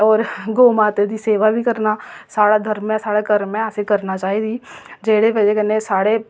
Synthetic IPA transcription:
ɔːɾɡoːmaːt̪ed̪iseːʋabʱikɐɾnasaːɽad̪ʱɐɾmẽsaːɽekɐɾẽasekɐɾnat͡ʃaːɦid̪id͡ʒeːɽeʋɐd͡ʒekənesaːɽe

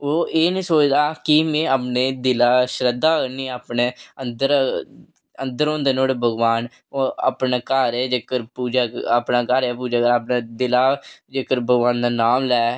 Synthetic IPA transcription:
oːeːnĩːsoːt͡ʃd̪aːkɪmẽːaːpneːd̪ɪlaːʃɾəd̪aːkəɾniːaːpneːənd̪əɾ | ənd̪əɾõːnd̪eːnoːɽeːbʱəɡʋaːn | oa̰ːpnaːkəɾed͡ʒeːkəɾpuːd͡ʒaːaːpnaːkəɾɛːpuːd͡ʒaːkəɾaːpnaːd̪ɪlaːd͡ʒeːkəɾbʱəɡʋaːnd̪aːnaːmlɛː

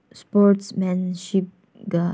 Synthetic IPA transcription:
spɔtsmɛ̃nʃip̚ | ɡa

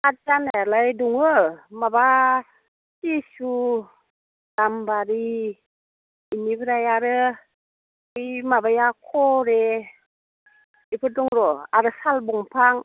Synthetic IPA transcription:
at͡ʃanajalajduŋɯmaba | tisu | tambaɾi | inipʰɯɾajaɾɯ | ɯjmabajakʰoɾe | ipʰɯtuŋɾoaɾɯsalbɔŋpʰaŋ

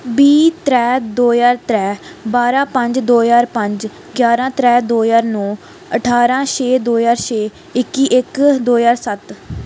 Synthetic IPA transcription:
biːt̪ɾɛːd̪oːjaːɾt̪ɾɛːbaːɾãːpəɲd͡ʒd̪oːjaːɾpəɲd͡ʒ | ɡjaːɾãːt̪ɾɛːd̪oːjaːɾnõː | əʈʰaːɾãːʃeːd̪oːjaːɾʃeː | ɪkːiːʔɪkd̪oːjaːɾsət̪

